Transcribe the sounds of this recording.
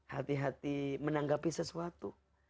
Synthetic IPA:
hat̪iɦat̪imənaŋɡapisəsuat̪u

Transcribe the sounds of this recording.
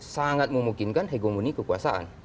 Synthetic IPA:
saŋat̪̚mumukinkant̪ʰaɡomunikukwasaʔa̰n

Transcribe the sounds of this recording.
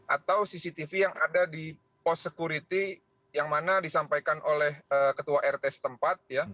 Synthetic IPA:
ʔat̪awsisit̪ifijaŋadadi | pɔsːəkuɾit̪i | jaŋmanadisampajkanʔolɛhəkət̪uaʔɛrt̪ɛsə̥t̪əmpat̪̚ja

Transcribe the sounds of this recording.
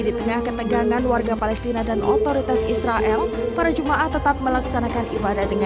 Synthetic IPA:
dit̪əŋahkət̪əɡaŋanwarɡapalɛst̪inadanʔo̰t̪oɾit̪asisɾaʔɛlpaɾad͡ʒumaʔaht̪ət̪ap̚məlaksanakanʔibadahdəŋa

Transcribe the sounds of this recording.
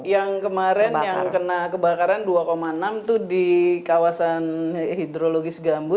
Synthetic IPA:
jaŋkəmaɾɛnjaŋkənakəbakaɾanduakomaənamt̪udikawasanhid̪ɾoloɡɪsɡambʊt̪̚

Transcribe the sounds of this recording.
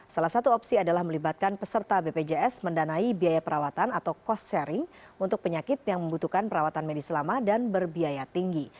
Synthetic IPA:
salahsat̪uɔpsiadalahməlibat̪̚kanpəsərt̪abeped͡ʒeɛsməndanaibiajapəɾawat̪anat̪awkɔsɛɾɪŋ | unt̪ʊk̚pəɲakɪt̪̚jaŋməmbut̪ukanpəɾawat̪anmedisəlamadanbərbiajat̪iŋɡi

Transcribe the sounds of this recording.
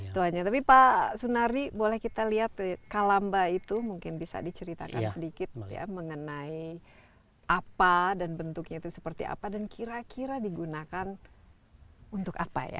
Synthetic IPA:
t̪uaɲat̪apipasunaɾibolɛhkit̪aliɦat̪̚əkalambait̪umuŋkɪnbisa̰dit͡ʃəɾit̪a̰ka̰nsədikɪt̪̚ja̰məŋənai | ʔapadanbənt̪ʊk̚ɲait̪usə̥pərt̪ḭʔa̰padankʰiɾakʰiɾadiɡunakan | unt̪ʊkapa̰ja̰

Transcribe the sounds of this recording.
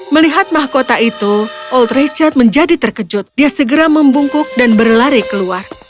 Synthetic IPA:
məliɦat̪̚maɦakot̪aʔit̪uʔɔlt̪ret͡ʃart̪̚məɲd͡ʒadit̪ərkəd͡ʒʊt̪̚diasəɡəɾaməmbuŋkʊk̚danbərlaɾekəluar

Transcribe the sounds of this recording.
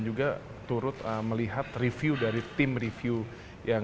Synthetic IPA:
nd͡ʒuɡa | t̪ːuɾʊt̪əməliɦat̪rifjudaɾit̪ɪmrifju | ja

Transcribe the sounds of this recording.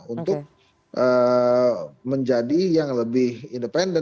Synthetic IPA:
unt̪ʊk̚ | ʔə | məɲd͡ʒadijaŋləbɪhindəpɛndə

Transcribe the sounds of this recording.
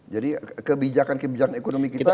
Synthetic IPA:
d͡ʒadikəbid͡ʒakankəbid͡ʒakanekonomikit̪a

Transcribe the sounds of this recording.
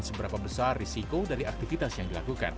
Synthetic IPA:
nsəbəɾapabəsarːisikodaɾiak̚t̪ifit̪asjaŋdilakuka̰n

